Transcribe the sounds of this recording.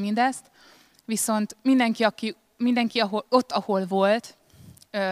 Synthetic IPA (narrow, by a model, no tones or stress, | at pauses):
mind̪ɛst̪ | ʋiso̞nt̪mind̪ɛŋkiɒki | mind̪ɛŋkiɒɦo̞lo̞t̪ːɒho̞lvo̞lt̪